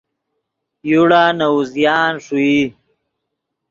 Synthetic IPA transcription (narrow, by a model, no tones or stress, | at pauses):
juɽaːnɐuzjaːnʂui